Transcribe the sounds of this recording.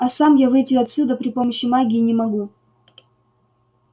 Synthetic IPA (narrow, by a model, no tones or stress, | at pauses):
ɐsamjavɨjtʲɪɐt̪sʲud̪əpɾʲɪpo̞məɕːɪmaɡʲɪinʲɪmɐɡu